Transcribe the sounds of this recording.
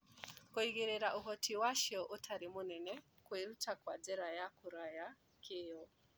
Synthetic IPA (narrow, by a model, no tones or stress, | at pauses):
koiɣeɾeɾaʔoɦɔtʰiwaʃɔʔotʰaɾemonɛnɛ | kweɾutakwad͡zɛɾajakoɾaja | keɔ